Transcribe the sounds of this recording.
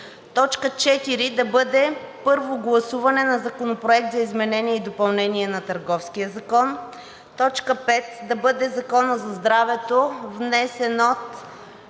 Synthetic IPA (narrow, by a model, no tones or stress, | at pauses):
t̪ɔt͡ʃkət͡ʃɛt̪iɾid̪ɐbɤd̪ɛ | pɤɾvoɡlˠɐsuvɐnɛnɐzɐkonopɾoɛk̚t̪zɐizmɛnɛniɛid̪opɐlˠnɛniɛnɐt̪ɐɾɡɔfskijəzɐkɔn | t̪ɔt͡ʃkəpɛt̪d̪ɐbɤd̪ɛzɐkɔnəzɐzd̪ɾavɛt̪ovnɛsɛnɔt̪